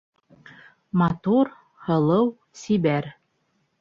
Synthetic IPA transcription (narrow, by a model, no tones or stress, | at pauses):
mɑt̪uɾ | hɤ̆lˠɤw | siβæɾ